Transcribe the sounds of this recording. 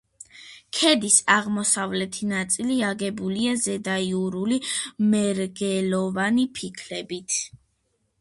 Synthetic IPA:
kʰɛd̪isaʁmɔsavlɛt̪ʰinat̪sʼiliaɡɛbuliazɛd̪aiuɾulimɛɾɡɛlɔvanipʰikʰlɛbit̪ʰ

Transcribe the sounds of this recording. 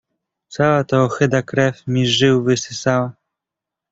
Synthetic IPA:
t̪sawat̪ɔːxɘd̪akɾɛfmʲiʐɘwvɘsɘsawa

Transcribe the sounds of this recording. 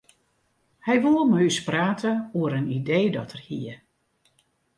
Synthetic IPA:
hɛjʋolˠməyspraːtʰəuəɾənideːdɔtʰərhiə

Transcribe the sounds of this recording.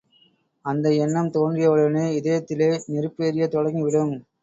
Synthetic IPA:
ɐnd̪ɐɛnːɐmt̪oːndrɪjɐʋɐɭɐneːɪðɐjɐt̪ːɪleːnɪɾɯpːeːɾɪjɐt̪ɔɻɐŋɡiʋɪɽɯm

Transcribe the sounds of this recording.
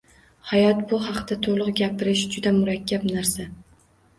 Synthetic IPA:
hajɒt̪bʊɦɑqt̪at̪ʰolˠʊqɡʲapɪɾɪʃd͡ʒʊd̪amʊɾakʲʰːabnaɾsa

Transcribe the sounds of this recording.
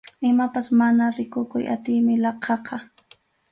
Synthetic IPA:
ɪmapasmanaɾɪkʊkʊjʔa̰t̪ɪjmɪlɑqʰɑqɑ

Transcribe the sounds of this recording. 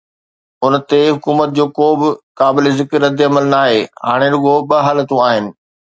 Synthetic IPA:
ʊnt̪eɦʊkuːmət̪̚d͡ʑoːkoːbɪkaːbɪlɪzɪkɾːɐd̪ɪɐməlnaːɦeːɦa̰ːɽ̃eɾʊɡoɓɐɦaːlət̪ũaːɦɪnɪ̆

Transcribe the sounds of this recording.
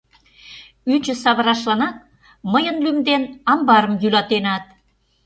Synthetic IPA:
yt͡ɕə̆sɑβə̆ɾɑʃlɑnɑt̪̚ | məjənlymd̪enɑmbɑɾə̆mjylɑt̪enɑt̪̚

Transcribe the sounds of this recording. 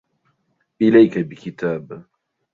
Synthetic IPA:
ʔɪlajkabikit̪aːb

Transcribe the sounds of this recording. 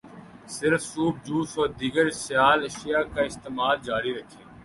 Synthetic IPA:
sɪɾfsuːb̚d͡ʒuːsoːɾd̪iːɡəɾsjaːlɐʃijaːkaːɪst̪eːmaːld͡ʒaːɾiɾəkʰẽː

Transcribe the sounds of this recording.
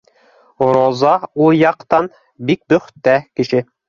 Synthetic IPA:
ɾozɑujɑqt̪ɑn | bik̚bɵ̆χt̪ːækɘ̆ʃɘ

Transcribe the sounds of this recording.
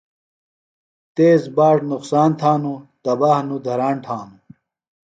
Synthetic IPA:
t̪eːzbaːʈnuqsaːnt̪ʰaːnut̪ɐbaːhnud̪ʱɐɾaːɳʈ̪ʰãːnu

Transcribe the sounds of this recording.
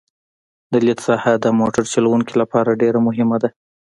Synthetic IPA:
d̪əlit̪sɑhad̪əmoʈaɾt͡ʃalawuŋkilapɑɾaɖeɾamʊɦɪmad̪a

